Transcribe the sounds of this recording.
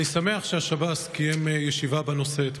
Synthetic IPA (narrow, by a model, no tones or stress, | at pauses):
nisame̞aχʃeaʃabaskijemjeʃivabeno̞set̪